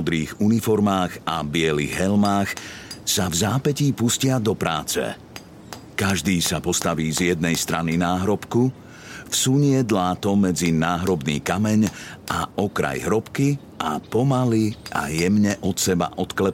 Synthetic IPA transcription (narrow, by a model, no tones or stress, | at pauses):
ɔd̪ɾiːɣunifɔɾmaːɣa̰bɪɛlḭɣɦɛlmaːxsavzaːpɛciːpuscɪad̪ɔpɾa̰ːt͡sɛ̰ | kaʒd̪iːsapɔst̪aʋiːzjɛd̪̚nɛjst̪ɾʔaninaːɦɾɔpku | fsuɲɪɛd̪laːt̪ɔmɛd͡zinaːɦɾɔbnḭːkamɛɲʔaʔɔkɾa̰jɦɾɔpki | ʔapɔmaliʔa̰jɛmɲɛʔɔt̪sɛba̰ʔɔt̪klɛ